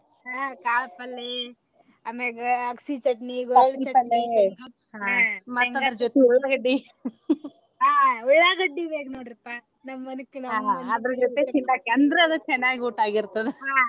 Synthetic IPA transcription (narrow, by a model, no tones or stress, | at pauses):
ɦaːkaːlɐpɐlːi | ɐmeɡɐɐksit͡ʃɐʈniɡɔɭit͡ʃɐpɐlːi | ɦamɐt̪ːɐd̪ɐɾɐd͡ʒɔt̪euɭːɐɡɐɖːi | ɦaːuɭaɡɐɖːibeːknoːɽiɾɐpːa | nɐmːɐːɐnukːenɐaːɦaɐɐd̪ɐɾɐd͡ʒot̪ːet͡ʃint̪akːɐnd̪ɾɐɐd̪ɐt͡ʃɛnːaːɡiuʈaːɡiɾt̪ɐd̪eɦaː